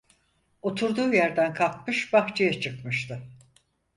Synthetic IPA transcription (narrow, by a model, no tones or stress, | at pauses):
o̞t̪ʰuɾd̪uːjæɾd̪ænkʰalˠkmɯʃbaht͡ʃʰɯjat͡ʃʰɯkmɯʃt̪ɯ